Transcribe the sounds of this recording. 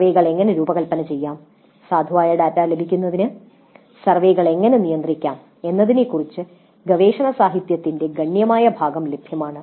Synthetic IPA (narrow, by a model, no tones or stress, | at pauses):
ʋeːɣɐɭe̞ŋːɐneɾuːbɐɣɐlpːɐnɐt͡ɕe̞jːaːm | saːd̪ʱɐʋaːjɐɽaːtːaːlɐbʱikʲːunːɐðinɨ | sɐrʋe̞ːɣɐɭe̞ŋːɐnenijɐnd̪rikʲːaːm | e̞nːɐðinekːurit͡ɕːɨ | ɡɐʋe̞ːʂɐɳɐsaːɦit̪jɐt̪ːinde̞ɡɐɳjɐmaːjɐbʱaːɡɐmle̞bʱjɐmaːɳɨ